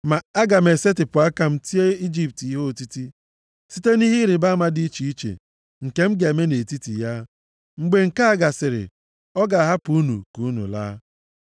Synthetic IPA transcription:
ma˨a˦ɡa˨me˨se˦tɪ˨pʊ˨a˦ka˨m̩˦ti˦e˦i˦d͡ʒi˨pti˦ɦo˦o˨ti˦ti˦ | si˦te˦ni˦ɦi˦ɾɪ˨ba˦ma˨dɪ˦i˦t͡ʃi˨i˦t͡ʃḛ˨ | ŋ̩˨ke˦m̩˦ɡe˨me˦ne˨ti˦tḭ˨ja˦ | ŋ͡m̩˦ɡ͡be˨ŋ̩˨ka˦a˦˨ɡa˨sɪ˨ɾɪ̰˨ | ɔ˦ɡa˨ɦa˦pu˦nṵ˨ku˨˦nṵ˨la̰ː˦

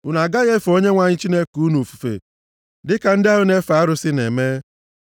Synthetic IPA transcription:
ʊ˨na˨ɡa˦ɣe˦fo˦ɲe˦ŋʷa˨ɲɪ˦t͡ʃi˦ne˦ku˨u˦nu˨fu̥˨fḛ˨ | dɪ˦ka˨n̩˦dɪ˦a˦ɦʊ˦ne˦fa˨a˦ɾʊ˦sɪ˦nḛ˨me˦

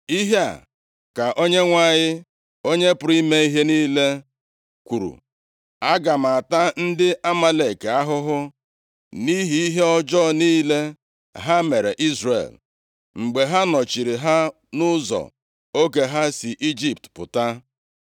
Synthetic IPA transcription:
i˦ɦe˦a̰˨ | ka˨ʔo˦ɲe˦ŋʷa˦˨ɲɪ˦ | o˦ɲe˦pʊ˨ɾi˦me˦i˦ɦe˦niː˦le˦ | kʷu˨ɾṵ˨ | a˦ɡa˨m̩˨a˨ta˦n̩˦dɪ˦ʔa˦ma˦le˨ka˦ɦʊ˦ɦʊ˦ | ni˦ɦi˦i˦ɦe˦ɔ˦d͡ʒɔ˦niː˦le˦ | ɦa˦me˨ɾḛ˨ʔi˦zrḛ˨l | ŋ͡m̩˨ɡ͡be˨ɦa˦nɔ˨t͡ʃi˨ɾi˨ɦa˦ | nʊ˦zɔ̰˨ | o˦ke˨ɦa˦si˨ʔi˦d͡ʒi˦p̚tpʊ̰˨ta˦

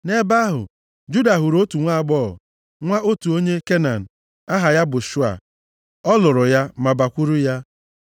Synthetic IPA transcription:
ne˦ba˦ɦʊ̰˨ | d͡ʒu˦da˨ɦu˨ɾo˦tu˨ŋʷa˦a˨ɡ͡bɔː˦˨ | ŋʷa˦o˦tu˨o˦ɲe˦ke˦na˨n̩˨ | a˦ɦa˨ja˦bʊ˨ʃu˦a̰˨ | ɔ˦lʊ˨ɾʊ˨ja˦ma˨ba˨kʷu˦ɾu˦ja˦

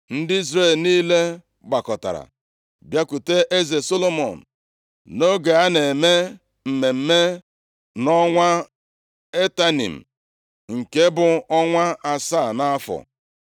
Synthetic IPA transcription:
n̩˦dɪ˦i˦zɾe˦˨lniː˦le˦ | ɡ͡ba˨kɔ˨ta̰˨ɾa̰˨ | bja˦ku˨te˦ʔe˦ze˨so˦lo˦mɔ˨n̩˨ | no˦ɡe˨a˦ne˨me˦ | m̩˨me˨m̩˦me˦ | nɔ˦ŋʷa˦ | e˦ta˦nḭ˨m̩˨ | ŋ̩˨ke˦bʊ˦ɔ˦ŋʷa˦a˨saː˦˨na˦a˦fɔ̰˨

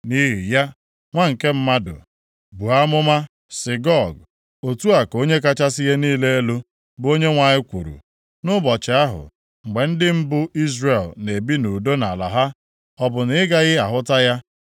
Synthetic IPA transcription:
ni˦ɦḭ˨ja˦ | ŋʷa˦ŋ̩˨ke˦m̩˦ma˦dʊ̰˨ | bu˨a˦mʊ˦ma˦ | sɪ˨ɡɔ˦˨ɡ | o˨tu˦a˨ko˦ɲe˦ka˦t͡ʃa˦sɪ˦ɣe˦niː˦le˦e˦lo˦ | bʊ˦o˦ɲe˦ŋʷa˨ɲɪ˦kʷṵ˨ɾṵ˨ | nʊ˦bɔ˨t͡ʃɪ˨a˦ɦʊ̰˨ | ŋ͡m̩˨ɡ͡be˨n̩˦dɪ˦m̩˦bʊ˦i˦zre˨lne˨bi˦nu˨do˦na˨la̰˨ɦa˦ | ɔ˦bʊ˨nɪ˨ɪ˦ɡa˦ɣɪ˦a˨ɦʊ˦ta˦ja˦

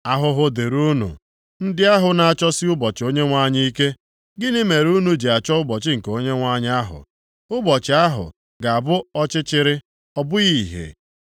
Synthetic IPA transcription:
a˦ɦʊ˦ɦʊ˦de˨ɾu˦nṵ˨ | n̩˦dɪ˦a˦ɦʊ˨na˨a˨t͡ʃɔ˦sɪ˦ʊ˦bɔ˨t͡ʃɪ˨o˦ɲe˦ŋʷa˦ɲi˦i˦ke˦ | ɡɪ˦nɪ˦me˨ɾu˦nu˨d͡ʒi˨a˨t͡ʃɔ˦ʊ˦bɔ˨t͡ʃɪ˦ŋ̩˨ko˦ɲe˦ŋʷa˦ɲɪ˦a˦ɦʊ̰˨ | ʊ˦bɔ˨t͡ʃɪ˨a˦ɦʊ̰˨ | ɡa˨a˨bʊ˦ɔ˦t͡ʃɪ˦t͡ʃɪ˦ɾɪ˦ | ɔ˦bʊ˦i˦˨ɦḛ˨

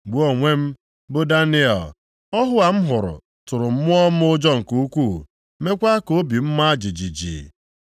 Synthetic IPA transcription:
ɡ͡bo˦˨ŋʷe˦m̩˦ | bʊ˦da˦nɪ˦ɔ˨l | ɔ˦ɦʊ˦a˨m̩˦ɦʊ˨ɾʊ̰˨ | tʊ˨ɾʊ˨m̩˦mʊ˦ɔ˦m̩˦ʊ˦d͡ʒɔ˦ŋ̩˨ku˦kʷu˦˨ | me˦kʷa˦ko˦bi˨m̩˦ma˦a˦d͡ʒi˨d͡ʒi˨d͡ʒḭ˨

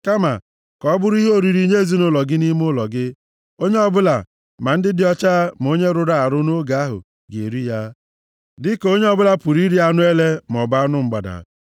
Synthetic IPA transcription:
ka˦ma˨ | kɔ˨˦bʊ˦ɾi˦ɦo˦˨ɾi˨ɾi˦ɲe˦e˦˨zi˦nʊ˦lɔ˨ɡɪ˦ni˦m˦ʊ˦lɔ˨ɡɪ˦ | o˦ɲe˦ɔ˦˨bʊ˦la˨ | ma˨n̩˦dɪ˦dɪ˦ɔ˦t͡ʃa˦m˨o˦ɲe˦ɾʊ˨ɾa˨a˨ɾʊ˦no˦ɡa˦ɦʊ̰˨ | ɡḛ˨ɾi˦ja˦ | dɪ˦ko˦ɲe˦ɔ˦bʊ˦la˦pu˨ɾi˦ɾi˦a˦nʊ˦e˦le˦m˨ɔ˨ba˦nʊ˦ŋ͡m̩˦ɡ͡ba˨da̰˨

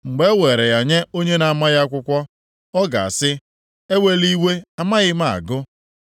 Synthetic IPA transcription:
ŋ͡m̩˨ɡ͡be˦wʷe˨ɾe˨ɣa˨ɲe˦o˦ɲe˦na˨a˨ma˦ɣja˦kʷʊ˦kʷɔ˦ | ɔ˦ɡa̰˨a̰˨sɪ˦ | e˦we˦li˦we˦a˨ma˦ɣɪ˦ma˦˨a̰˨ɡʊ˦

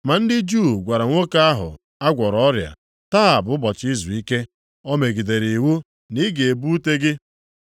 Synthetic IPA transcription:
ma˨n̩˦dɪ˦d͡ʒu˦˨ɡʷa˨ɾa˨ŋʷo˦ka˦a˦ɦʊ̰˨ | a˦ɡʷɔ˨ɾɔ˦ɾja̰˨ | taː˦a˨bʊ˨˦bɔ˨t͡ʃi˦zu˨i˦ke˦ | o˦me˨ɡi˨de˨ɾi˨wu˦ | ni˦ɡe˨e˨bu˦te˦ɡɪ˦

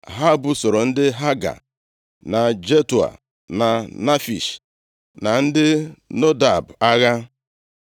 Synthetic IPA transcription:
ɦa˦˨bʊ˦so˨ɾo˨n̩˦dɪ˦ɦa˦ɡa̰˨ | na˨d͡ʒe˦tu˨a̰˨ | na˨na˦fi˨ʃ | na˨n̩˦dɪ˦no˦da˨ba˦ɣa˦

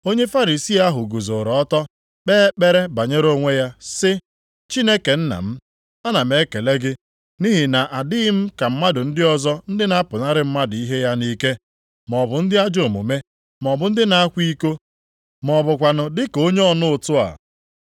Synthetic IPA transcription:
o˦ɲe˦fa˦ɾi˨si˦a˦ɦʊ˨ɡu˨zo˨ɾɔ˨ɔ˦tɔ˦ | k͡peː˦k͡pe˦ɾe˦ba˨ɲe˦ɾo˦ŋʷe˦ja˦sɪ˦ | t͡ʃi˦ne˦ke˨n̩˦na̰˨m̩˦ | a˦na˨m̩e˨˦ke˨le˦ɡɪ˦ | ni˦ɦɪ˨na˨ʔa˨dɪ˦ɪ˦m̩˦ka˨m̩˦ma˦dʊ˨n̩˦dɪ˦ɔ˦zɔ˦n̩˦dɪ˦na˦pʊ˨na˦ɾɪ˦m̩˦ma˦dʊ˨i˦ɦe˦ja˦ni˦ke˦ | mɔ˨bʊ˨n̩˦dɪ˦a˦d͡ʒo˨mṵ˨me˦ | mɔ˨bʊ˨˦n̩˦dɪ˦na˨a˦kʷi˦ko˦ | mɔ˨bʊ˨kʷa˨nʊ˨dɪ˦ko˦ɲe˦ɔ˦nʊ˦ʊ˨tʊ˦a̰˨

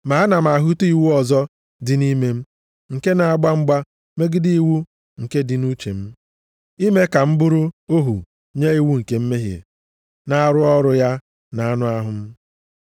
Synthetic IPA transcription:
ma˨a˦na˨m̩˨a˨ɦu˦tu˦i˨wu˦ɔ˨zɔ˦ | dɪ˨ni˦me˦m̩˦ | ŋ̩˨ke˦na˨a˨ɡ͡ba˦ŋ͡m̩˦ɡ͡ba˦ | me˦ɡɪ˦di˦i˦wu˦ | ŋ̩˨ke˦dɪ˨nu˦t͡ʃe˨m̩˦ | i˦me˦ka˨m̩˦bʊ˦ɾʊ˦o˦ɦṵ˨ | ɲe˦i˦wu˦ŋ̩˨ke˨m̩˦me˦ɦjḛ˨ | na˦a˦˨ɾʊ˦ɔ˦ɾʊ˨ja˦ | na˨a˦nʊ˦a˦ɦʊ˦m̩˦

